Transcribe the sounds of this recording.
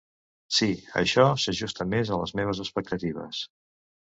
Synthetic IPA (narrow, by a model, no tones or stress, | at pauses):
siə̰ʃɔsəʒust̪əmezələzmeβ̞əzəspək̚t̪ət̪iβ̞ə̰s